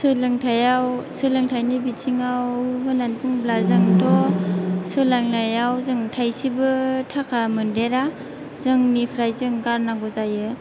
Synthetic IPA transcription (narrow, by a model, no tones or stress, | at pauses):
sɯlɯŋtʰajawsɯlɯŋtʰajnibit͡ʃʰiŋawɦɯnanpʰuŋblazaŋdɔ | sɯlaŋlajawzɯŋtʰajsibɯtʰakʰamɯndeɾa | zɯŋnipʰɾajzɯŋɡaɾnaɡɔzajɯ